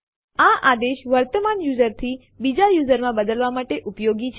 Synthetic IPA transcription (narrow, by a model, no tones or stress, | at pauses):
aʔad̪eʃʋəɾt̪əmanjuzəɾt̪ʰi | bid͡ʒajuzəɾmãbəd̪əlʋamaʈeʔupjoɡit͡ʃʰ